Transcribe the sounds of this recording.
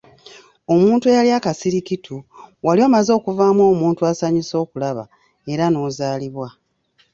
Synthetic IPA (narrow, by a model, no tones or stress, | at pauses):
o̞muːntujaliakasiɾikitʰuwalioːmazo̞ːkuvaːmwo̞ːmuːntuasaɲiso̞ːkulaβa̰ | e̞ɾano̞ːzaːliβwa